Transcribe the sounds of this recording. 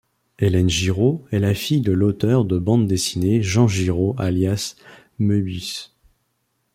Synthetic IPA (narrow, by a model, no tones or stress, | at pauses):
elɛnʒiʁoɛlafijd̪əlot̪œʁd̪əbɑ̃d̪d̪esineʒɑ̃ʒiʁoaljas | møbys